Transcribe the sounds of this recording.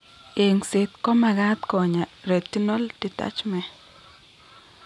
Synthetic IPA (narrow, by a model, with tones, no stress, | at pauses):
e˨ŋsɪ˨t̪kɔ˦ma˨ɡa˦t̪kɔ˨ɲa˨ɾe˨ti˦nɔ˦ld̥i˨ta̰˦t͡ʃmɛ˨